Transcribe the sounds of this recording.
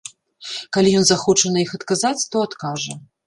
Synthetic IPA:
kalʲijɔnzaxɔt͡ʂɐnɐixɐt̪kazat͡sʲt̪ɔat̪kaʐɐ

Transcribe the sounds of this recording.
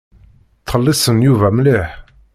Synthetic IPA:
t̪ʰəlːisənjuvæmleħ

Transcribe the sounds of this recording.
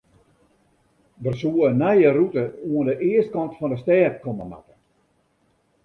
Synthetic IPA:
dərsuənɛjərutəuəndəʔɪəst̚kɔntfɔndəstɛːt̚kʰɔməma̰tə̥

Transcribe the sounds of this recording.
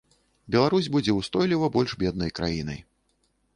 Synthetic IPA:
bʲɛlˠaɾusʲbud͡zʲɛwst̪ɔjlʲivɐbɔlʲʐbʲɛd̪nɐjkɾa̰jinɐ̰j

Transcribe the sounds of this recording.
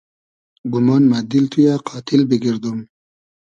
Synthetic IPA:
ɡumɑnmad̪ilt̪ʰujaqʰɑːt̪ʰɪlbiɡiɾd̪um

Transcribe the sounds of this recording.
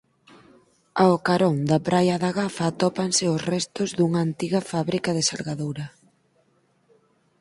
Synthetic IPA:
aokaɾɔŋd̪ɐpɾʔajɐðaɣafaːt̪ɔpansɪosrɛst̪ʊzðuŋɐːnt̪iɣɐfaβɾikɐðɪsalɣaðowɾɐ

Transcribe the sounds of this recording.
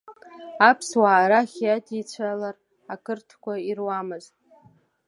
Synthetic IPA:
apʰswaːɾaχʲjadit͡ɕʷʰalar | akɨrtʰkʷairwamɨzt

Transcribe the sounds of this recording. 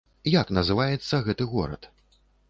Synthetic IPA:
jaknɐzɨvajɛt̪sːɐɣɛt̪ɨɣɔ̰ɾɐ̰t̪

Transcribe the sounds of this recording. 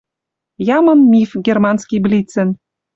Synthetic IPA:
jɑmɤ̆nmʲifɡʲermɑnskʲijblʲit͡sɘ̆n

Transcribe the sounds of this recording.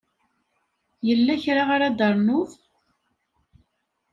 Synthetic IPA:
jəlːæçɾaʁaɾad̪ɑɾˤnʊθ

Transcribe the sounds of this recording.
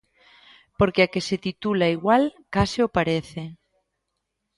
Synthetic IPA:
poɾkeakeset̪it̪ulaiɣwalkasiopaɾeθe

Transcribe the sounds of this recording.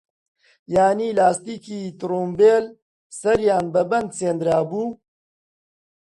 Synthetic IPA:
jaːniːlaːst̪iːkiːt̪ɾuːmbeːl | sɐɾjaːnbɐbɐnd̪seːnd̪ɾaːbuː

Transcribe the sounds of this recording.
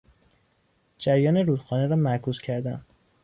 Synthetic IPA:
d͡ʒæɾjɒːneɾuːd̪̥xɒːneɾɒːmæɾkʰuːzcʰæɾd̪æ̰nd̪

